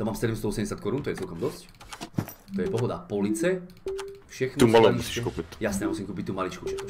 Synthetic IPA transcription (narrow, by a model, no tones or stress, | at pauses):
t̪amaːmsɛd̪ɛmst̪ɔɔsɛmɟɛs̬jat̪kɔɾunt̪ɔjɛt͡sɛlkɔmd̪ɔsc | t̪ɔjɛpɔɦɔd̪apɔlit͡sɛ | fʃɛxnumalɔmuʃsiʃkupijasnɛamusimkuːp̬ic̚t̪umalit͡ʃkut͡ʃɛt̪u